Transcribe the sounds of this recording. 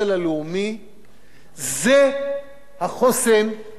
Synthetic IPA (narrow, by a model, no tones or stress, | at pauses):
elaleumi | ze | haχosem